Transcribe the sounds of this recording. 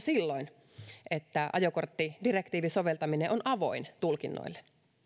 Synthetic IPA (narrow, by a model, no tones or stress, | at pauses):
silːoin | ʔet̪ːæʔɑ̰jokort̪ːidirekt̪iːʋiso̞ʋelt̪ɑmineʔonʔɑʋo̞̰int̪ulkinːo̰ilːe